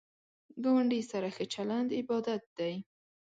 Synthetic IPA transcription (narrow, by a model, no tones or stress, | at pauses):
ɡawaɳɖisaɾaxət͡ʃaland̪ɪbɑd̪at̪̚d̪̥aj